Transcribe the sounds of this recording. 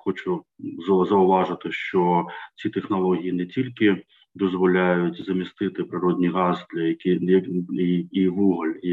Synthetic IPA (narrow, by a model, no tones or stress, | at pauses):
xɔt͡ʃʊzɐzɐʊʋɑʐɪt̪ɪʃt͡ʃɔt͡sʲit̪exnɐlˠɔɦʲijinɛtʲilʲkʲɪ | d̪ɔzʋɔlʲajʊtʲzɐmʲist̪ɪt̪ɪpɾɪɾɔdʲnʲiɣɑzd̪lʲɐjɐkʲijɐiiʋuɦɐlʲ